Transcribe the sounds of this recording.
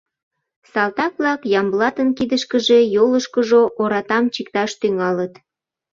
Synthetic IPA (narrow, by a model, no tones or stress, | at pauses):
sɑlt̪ɑk̚βlɑkjɑmblɑt̪ənkid̪əʃkəʒejoləʃkəʒoʔoɾɑt̪ɑmt͡ɕikt̪ɑʃt̪yŋɑlət̪